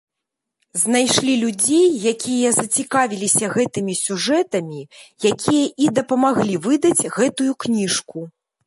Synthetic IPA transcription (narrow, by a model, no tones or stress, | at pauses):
znajʂlʲilʲud͡zʲejːakʲijɐzɐt͡sʲikavʲilʲisʲɐɣɛt̪ɨmʲisʲuʐɛt̪ɐmʲijakʲʰijɐʔid̪ɐpɐmaɣlʲivɨd̪ɐd͡zʲɣɛt̪ujuknʲiʂku